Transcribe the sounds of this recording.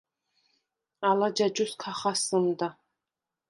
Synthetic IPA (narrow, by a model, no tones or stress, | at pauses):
alad͡ʒad͡ʒuskʰaχasɨmd̪a